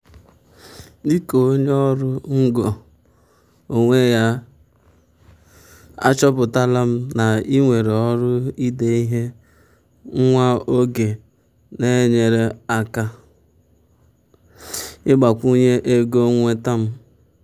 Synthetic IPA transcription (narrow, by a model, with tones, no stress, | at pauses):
di˦ko˨o˦ɲe˦ɔ˦ɾʊ˦ŋ̩˦ɡo˨ | o˨ŋʷe˦ja˦ | a̰˦t͡ʃɔ˦pʊ˨ta˦la˦m̩˦na˨i˦ŋʷe˨ɾe˨ɔ˦ɾʊ˦i˦de˦i˦ɦe˦ | ŋʷa˦o˦ɡe˨ | ne˦ɲe˨ɾe˦a˦ka˦ | ɪ˦ɡ͡ba˨kʷu˦ɲe˦ʔe˦ɡo˦ŋʷe˦ta˦m̩˦